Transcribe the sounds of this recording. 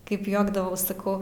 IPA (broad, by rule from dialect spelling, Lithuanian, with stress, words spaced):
ˈkɐɪp ˈjuɔɡdɐʋɐʊs sɐˈkɐʊ